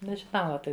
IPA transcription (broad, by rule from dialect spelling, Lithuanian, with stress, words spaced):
nʲɛʒʲɪˈnɐʊ ˈɑːpʲɪ